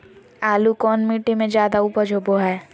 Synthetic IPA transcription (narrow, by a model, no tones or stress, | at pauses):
aːlukɔːnmiːʈemẽd͡ʒjaːd̪auːpəɾd͡ʒoːboɦɛː